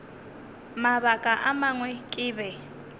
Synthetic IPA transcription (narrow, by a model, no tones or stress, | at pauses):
maβakʼaʔamaŋwɛkʼɪːbɛ